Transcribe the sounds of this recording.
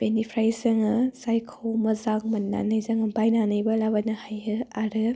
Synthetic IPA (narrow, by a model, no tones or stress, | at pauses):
b̥enipʰɾajsɐŋɯsajkʰowmɐzaŋmɐnːa̰nɐjzɐŋɐbajnanɯjbɐlabɐnɐhajɯaɾɯ